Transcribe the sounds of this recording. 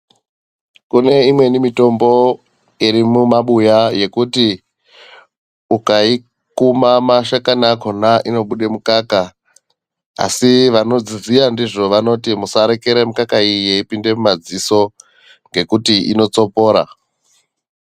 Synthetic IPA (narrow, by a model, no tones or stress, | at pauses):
kune̞imwe̞nimito̞mbo̞ | iɾimumaɓujaje̞kuti | ukai | kumamaʃakanakonaʔino̞ɓuɗe̞mukaka | siʋano̞d͡zizijandiʐo̞ʋano̞timusaɾe̞ke̞ɾemukakaijeipinde̞mumad͡ziso̞ | ŋɡe̞kutiʔḭno̞t͡so̞po̞ːɾa̰